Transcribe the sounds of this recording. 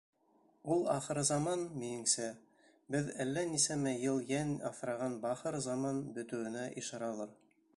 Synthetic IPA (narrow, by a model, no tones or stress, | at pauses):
ulˠɑχɤ̆ɾɤzɑmɑnminɘ̆ŋsæ | bɘðælːænisæmæjɤlˠjænɑfɾɑʁɑnbɑχɤɾzɑmɑnbɵ̆t̪ɘ̆wɘ̆næʔiʃɑɾɑlˠɤɾ